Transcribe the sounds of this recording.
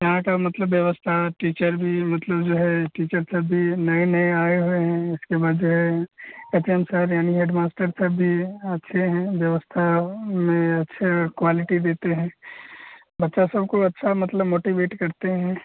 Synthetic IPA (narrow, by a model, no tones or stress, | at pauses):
jɐɦãkamɐt̪ləbːjɐʋəst̪ʰaʈiːt͡ʃəɾbʱimɐt̪ləbd͡ʒoːɦɛʈiːt͡ʃəɾsɐbːinɐenɐeaːeɦueɦɛ̃ɪskebaːd̪d͡ʒoːɦɛep̪iɛ̃msəɾjaːniɦeːɖmaːsʈəɾsɐbʱːiɐtːʃʰeɦɛ̃ʋjɐʋəst̪ʰamẽɐtːʃʰekwaːlɪʈid̪eːt̪eɦɛ̃ː | bɐtːʃasɐbkoɐtːʃʰamɐt̪ləbmoːʈiʋeːʈkɐɾt̪eɦɛ̃ː